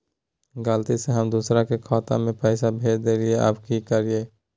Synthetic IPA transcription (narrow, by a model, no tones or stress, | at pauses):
ɡəlt̪iseɦɐmd̪uːsɾakekʰaːt̪ã̰mẽpɛːsabʱeːd̪elɪeʔa̰ːpkikəɾieː